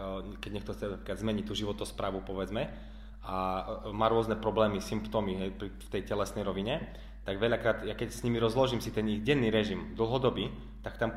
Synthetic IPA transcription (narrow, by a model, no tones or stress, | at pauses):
kɛɟɲɛkt̪ɔxt͡sɛnapɾiklad̪zmɛɲic̚t̪uːʒiʋɔt̪ɔspɾaːʋupɔʋɛd͡zmɛ | amaːɾʊɔznɛpɾɔblɛːmisimpt̪ɔmiɦɛjpɾift̪ɛjcɛlɛsnɛjɾɔʋiɲɛ | t̪aɡʋɛʎakɾaːd̪jakɛcsɲimiɾɔzlɔʒiːmsit̪ɛniɣɟɛnːiːɾɛʒimd̪l̩ˠɦɔd̪ɔbiː | t̪akt̪am